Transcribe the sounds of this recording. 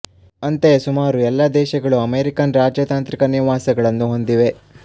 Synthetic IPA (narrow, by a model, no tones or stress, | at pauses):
ɐnt̪e̞sumaːɾuɛlːɐd̪ɛːʃɐɡɐɭuɐmeːɾikɐnɾaːd͡ʒɐt̪aːnt̪ɾikɐniʋaːsɐɡɐɭɐnːuɦo̞nd̪iʋe̞